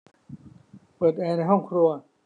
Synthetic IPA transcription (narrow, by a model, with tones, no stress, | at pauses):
pɤː˨˩t̪̚ʔɛː˧na˧jɦɔ˥˩ŋkʰɾu˧ɐ